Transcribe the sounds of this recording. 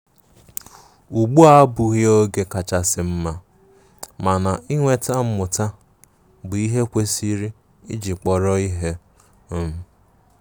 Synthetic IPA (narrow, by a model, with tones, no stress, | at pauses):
u˨ɡ͡bu˦a˦bʊ˨ɣi˦o˦ɡe˨ka˨t͡ʃa˨sɪ˨m̩˦ma˨ | ma˨na˨i˦ŋʷe˦ta˦m̩˦mʊ˨ta˦ | bʊ˨i˦ɦe˦kʷe˦si˦ɾi˦ | ḭ˦d͡ʒi˨k͡pɔ˨ɾɔ˦i˦ɦe˦